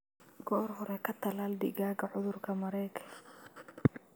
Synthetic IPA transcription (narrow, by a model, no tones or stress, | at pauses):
ɡ̥ɔːrɦɔɾɛkʰɐt̪ʰɐlaːlɖ̪ɪ̰ɣaːɡɐʕʊðʊrkʰɐmɐɾɛjkʰɐ̥